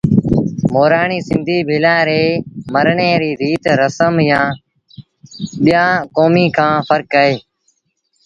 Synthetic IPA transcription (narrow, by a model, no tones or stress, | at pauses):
moːɾaːɳiːsɪ̃nd̪ʱiːbʱɪːlãːɾeːməɾɳeːɾiːɾiːt̪ɾəsəmjãː | ɓɪjãːkoːmiːkʰãːfʰəɾkəːeː